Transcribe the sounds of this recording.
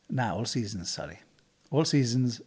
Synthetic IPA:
naʊʔɔːlˠsiːz̃n̩z̥sʌ̰ɾḭ | ɔlˠsiːzə̃n̩z

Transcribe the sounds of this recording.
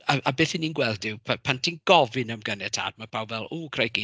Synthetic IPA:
aʔabeːθininɡwɛlˠdɪwpʰapʰantʰinɡ̥ɔvɨnəmɡənɛtʰa̰ːd̚mapʰawvɛlˠuːkʰr̥ajɡi

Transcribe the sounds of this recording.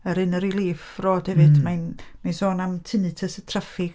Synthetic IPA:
əɾɨnəɾilˠiːfroːd̥hɛvɨd̥manmansoːnamtʰɨnɨtʰəsətʰrafɪɡ

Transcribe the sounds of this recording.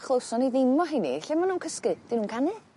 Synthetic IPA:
χlˠowsɔniðɪmɔɦinḭɬɛmanːuːnkʰəskɨd̥inuːnkʰanɨ

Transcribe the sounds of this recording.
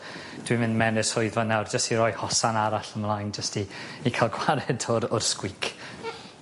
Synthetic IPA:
d̥wimɪ̃ndmɛnɨsʊɨðvɔnawrd͡ʒəstiɾɔjhɔsanaɾaɬəmlˠajnd͡ʒəstiːkʰalˠɡwaɾɛdʊɾʊrskwɪkʰ

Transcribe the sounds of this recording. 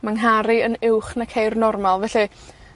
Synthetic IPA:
maŋɦaɾiənɪwχnakʰejrnɔrmalˠvɛɬi

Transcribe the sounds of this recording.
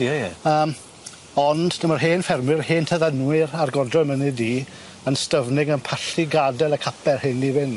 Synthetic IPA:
ɛjɛəːm | ɔndnəmərɦeːnfɛrmwɪɾheːntʰəðənwɪɾarɡɔrdrɔjmənɨdi | ənstəvnɪɡənpʰaɬiɡadɛlˠəkʰapʰɛrhɪnivɪn

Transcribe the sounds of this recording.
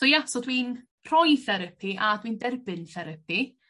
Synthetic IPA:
d̥ɔjasɔdwin | r̥ɔjθɛɾəpʰiʔadwindɛrbɨnθɛɾəpʰi

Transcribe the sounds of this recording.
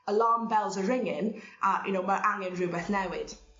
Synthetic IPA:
əlɑːmbɛlˠzəɹɪŋɪ̃nʔəjə̰noʊməʔaŋə̃nɹʉːbɛθnɛwɪd̥

